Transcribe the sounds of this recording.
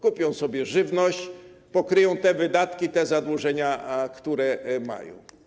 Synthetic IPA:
kupʲjɔ̃w̃sɔbʲjɛʐɘvnɔɕt͡ɕpɔkɾɘjɔ̃w̃t̪ɛvɘd̪at̪kʲit̪ɛzad̪wuʐɛɲakt̪uɾɛma̰jɔ̰̃w̃

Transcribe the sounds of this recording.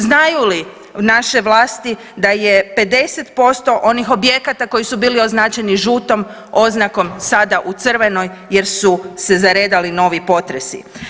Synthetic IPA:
znajuli | naʃe̞ʋlˠaːst̪i | d̪aje̞pe̞d̪e̞se̞t̪po̞st̪o̞ʔo̞nixo̞bje̞kat̪ako̞jisubiːlio̞znaːt͡ɕeniʒuːt̪o̞m | o̞znako̞msad̪aʔut̪sɨr̩ʋe̞no̞j | je̞ɾsuse̞zaɾe̞ːd̪alino̞ʋipo̞t̪ɾesḭ

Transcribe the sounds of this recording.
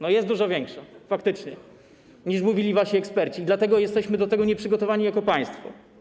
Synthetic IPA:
nɔjɛst̪d̪uʐɔvʲjɛŋkʂafak̚t̪ɘt͡ʂɲɛ | ɲiʂmuvʲilʲivaɕiɛkspɛɾt͡ɕiːd̪lat̪ɛɡɔjɛst̪ɛɕmɘd̪ɔt̪ɛɡɔɲɛpʂɘɡɔt̪ɔvaɲijakɔpaj̃st̪fɔ̰

